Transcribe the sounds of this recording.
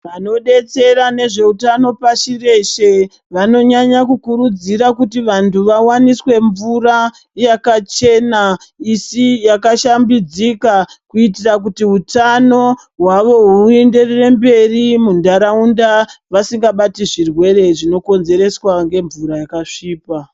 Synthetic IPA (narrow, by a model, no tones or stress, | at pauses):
ʋano̞ɗe̞t͡se̞ɾane̞ʐe̞utano̞paʃire̞ʃe̞ | ʋano̞ɲaɲakukuɾud͡ziɾakutiʋantʰuʋawaniswe̞ɱvura | jakat͡ʃe̞na | isijakaʃambid͡zikakuitirak̬utiɦutano̞ | ɦwaʋo̞ɦuue̞nde̞rere̞mbe̞rimundaɾaundaʋasiŋɡaɓatiʐirwe̞re̞ʐino̞ko̞nze̞ɾe̞swaŋɡe̞ɱvuɾajakaʂiːpa